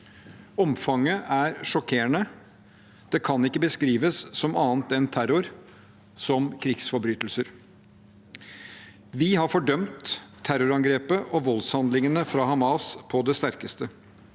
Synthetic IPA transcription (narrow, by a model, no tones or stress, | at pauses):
ɔmfɑŋəʔæɾʂɔkʰeːəɳə | d̪̥ɛːkʰɑnɪkːəbəskɾiːʋəssɔmɑːnt̪ɛnt̪ʰæɾʊɾ | sɔmkʰɾɪɡsfɔɾbɾyːt̪əlsəɾ | ʋɪhɑɾfɔɖœmt̪ʰː | æɾʊɾɑŋɡɾeːpəʔɔʋɔlshɑnd̪lɪŋənəfɾɑhɑmɑːspʰɔd̪ɛst̪æɾkəst̪ə